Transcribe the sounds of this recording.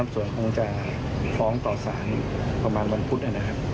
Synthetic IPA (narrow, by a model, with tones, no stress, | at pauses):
a˧˥msu˨˩ənkʰo˧ŋt͡ɕa˨˩ | fɔː˦˥ŋt̪ɔː˨˩saː˩˦npa˧maː˧nwa˧npʰu˦t̪̚ʔa˨˩na˦˥kʰa˦˥p̚